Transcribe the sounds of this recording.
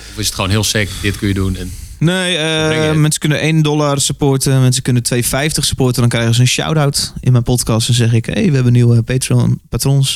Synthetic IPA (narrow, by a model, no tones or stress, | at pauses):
oɪsətxoːnɦiəlˠsɛkdɪtkøjədunɛnnejəmɛnsə̥kønənʔejndɔlarsəpoːtəmɛnsəkønətʋejfɛjftəxsə̥poːtədɔnkrɛjxəz̬əənʃa̰wdawtɪnmɛnpɔtkɔstdɔnsɛxɪkhḛːʋəɛbənːiwəpeːtronpatrons